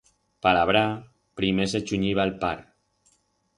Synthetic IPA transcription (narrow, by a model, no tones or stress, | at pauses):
palaβɾa | pɾimes̬et͡ʃuɲiβalpaɾ